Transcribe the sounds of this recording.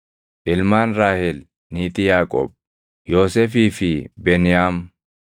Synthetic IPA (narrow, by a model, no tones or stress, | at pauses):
ʔɪlmaːnɾaːhɛl | niːt̪ɪjaːkʼo̰ːb̚ | jo̞ːsɛːfiːfɪbɛnjaːm